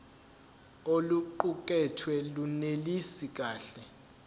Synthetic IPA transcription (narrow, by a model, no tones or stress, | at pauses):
oluǃuk̬ʼɛtʰwɛlunelisik̬ʼaːɬɛ